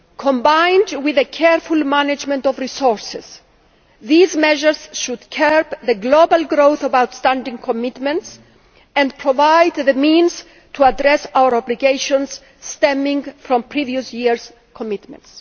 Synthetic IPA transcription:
kʰõmbãjndwiðekʰɛɹfulmanad͡ʒmẽntɔvɹisoɹsɪz̥ | ðizmɛʒəɹz̥ʃud̪̥kʰɛɹpðəɡlobalɡɾowθɔvawt̪st̪ãndĩŋkʰomit̪mɛ̃nts | ɛ̃ndpʰɾovajd̪ðəmĩnz̥ | tʰuad̪ɾɛsawəɹɔbliɡejʃõnsː | t̪ɛ̃mĩŋfɾɔ̃mpʰɾiviusjiɹs | kʰomit̪mɛ̰̃nts

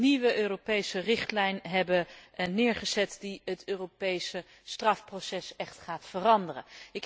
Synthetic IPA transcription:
niʋəʔøːropejsərɪχtlɛjnɦɛbənɪːɹχəz̥ɛtdiɦətøːropejsə | strɑfprosɛsɛχtχaːtfərɑndərə̰ɪk

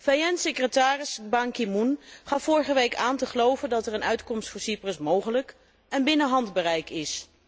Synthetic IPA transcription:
fajɛnsɪkrətaːrɪsbɑŋkimunχɑfːʊːɹχəʋejkaːntəχəlowvəndɑtɛɹənœɥtkɔmstfʊːɹsiprəsmowχələk | ɛnbɪnəɦɑndbərɛjkɪs

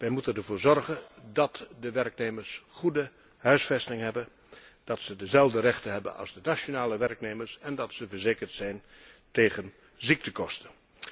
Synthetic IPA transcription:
ʋɛjmutənndəɹvoːɹzɔɹχəndɑtdəʋɛrkneːməɹsχudə | ɦœɥsfɛstɪŋɦɛbə | d̥ɑtsədəzɛlˠvdəɾɛχtəɦɛbə̰nɑ̰lˠzdənaʃonaːləʋɛrkneːməɹsɛndɑtsəvəɹzeːkərtsɛjnteːχən | zik̚təkɔstən

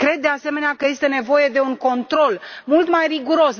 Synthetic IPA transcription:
kɾe̞d̪ːease̞me̞neakəje̞st̪e̞ne̞vo̞je̞d̪e̞uŋko̞nt̪ɾo̞lmult̪majriɡuɾo̞s

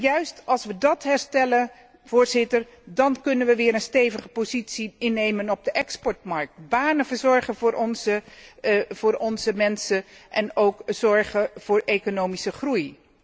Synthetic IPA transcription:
jœɥstɑlˠsʋədɑtɦɛɹstɛlən | v̥ʊːɹzɪtər | dɑnkɵnənʋəʋɪːɾənstejvəχəpozitsiɪnːejmənɔb̚dəʔɛkspɔɹtmɑɹk̚tbaːnəvəzɔɹχənvʊːɹʔɔnzə | v̥ʊːɹɔnzəmɛnsəʔɛnowkz̥ɔɹχəv̥ʊːɹekonowmisəχruj

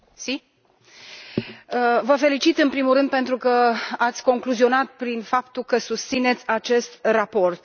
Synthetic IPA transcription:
si | əvəfe̞lit͡ʃit̪ɨnpɾimulɾɨnd̪̚pe̞nt̪ɾukəat̪sʲko̞ŋkluzio̞nat̪̚pɾinfapt̪ulkəsust̪sine̞t̪sʲat͡ʃe̞st̪rapo̞rt̪

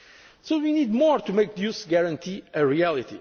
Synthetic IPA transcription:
sowinid̪mɔɹt̪umejk̚djusɡɛɹɐ̃nt̪ʰiɨɹiælˠit̪ḭ

